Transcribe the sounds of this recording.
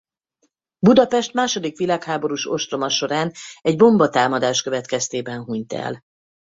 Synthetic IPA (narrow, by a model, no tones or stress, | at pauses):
bud̪ɒpɛʃt̪maːʃo̞d̪ikʋilaːkhaːbo̞ɾuʃo̞ʃt̪ro̞mɒʃo̞ɾaːnɛɟbo̞mbɒt̪aːmɒd̪aːʃkøvɛt̪kɛst̪eːbɛnɦuɲt̪ɛ̰l